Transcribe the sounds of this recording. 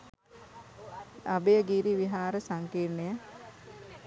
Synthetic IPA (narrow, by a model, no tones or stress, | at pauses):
abejəɡiɾiʋiɦaːɾəsaŋkirnejə